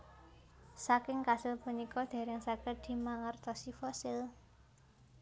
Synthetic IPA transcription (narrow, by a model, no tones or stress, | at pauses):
sakɪŋkasɪlpunikɔd̪̥e̤ɾɪŋsakəɖ̪̥i̤maŋərt̪ɔsifɔsɪl